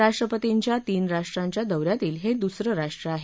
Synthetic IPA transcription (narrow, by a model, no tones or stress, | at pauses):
aʂʈɾəpət̪iɲt͡ɕjat̪iːnɾaʂʈɾaɲt͡ɕjad̪əwɾjat̪iːlɦed̪usɾəɾaʂʈɾəaɦe